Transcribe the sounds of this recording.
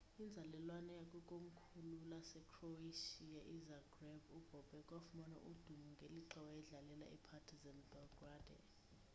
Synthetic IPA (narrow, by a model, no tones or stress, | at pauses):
ind͡zʱalɛlwanɔjakʼukʼom̩kʰululasɛkʰroaʃiaʔizaɡrɛvub̥ʱɔb̥ʱɛkʼwafmɔna̰ʔud̥ʱumuŋɡʱeliǁɛwaɛɮalɛla̰ipʰatʰizɛnbɔlɡrad̥ʱɛ̰